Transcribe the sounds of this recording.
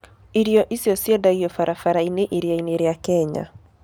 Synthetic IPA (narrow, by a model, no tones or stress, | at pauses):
iɾjɔʔisiɔsiɛdaiɔfaɾafaɾaineʔiɾjaineɾeakɛɲa̰